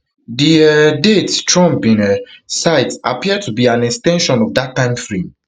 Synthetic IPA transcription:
diɛdettɹɔ̃mbĩnɛsaɪtapiəd̚tʰubiãnɛkstɛ̃nʃɔ̃nɔvdatːãɪ̃mfɹĩm

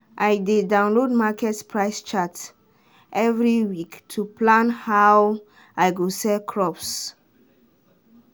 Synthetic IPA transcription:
ʔajdedãw̃nlodmakɛtpʰɹajst͡ʃat | ʔɛvɹiwiktʰuplãnhaw | ajɡosɛlkʰɹɔps

